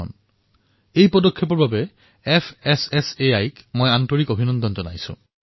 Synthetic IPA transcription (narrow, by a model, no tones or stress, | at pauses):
ɔ̰n | ejpɔdɔkʰːep̬ɔɹbabɛ | ɛpʰɛsɛseajkmojantɔɹikobʱinɔndɔnzɔnajsʊ̰̃